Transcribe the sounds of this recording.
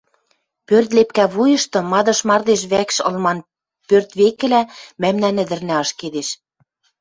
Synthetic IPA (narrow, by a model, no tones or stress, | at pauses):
pørt̪̬lepkæβujɤ̆ʃt̪ɤ̆mɑd̪ɤ̆ʃmɑrd̪eʃ̬βækʃɤ̰̆lmɑn | pørt̪βekɘ̆læmæmnænɘ̆d̪ɘ̆rnæɑʃked̪eʃ